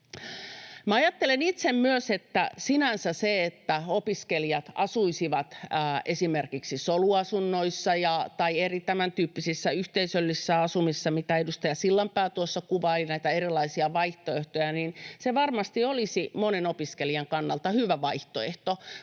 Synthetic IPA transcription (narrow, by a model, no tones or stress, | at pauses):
mæɑjɑt̪ːelenit̪semmyøset̪ːæ̰sinænsæseet̪ːæopiskeliɑt̪ɑsuisiʋɑt̪ːesimerkiksisoluɑsunːoisːɑjɑt̪ɑierit̪æmænt̪yːpːisisːæyht̪eisølːisːæɑsumisːɑmit̪æedust̪æjɑsilːɑmpæːt̪uosːɑkuʋɑlinæit̪æeɾilˑɑisiɑʋɑiht̪oeht̪ojɑninseʋɑrmɑst̪iolisimonenopiskeliɑŋkɑnːɑlt̪ɑhyʋæʋɑiht̪oeht̪o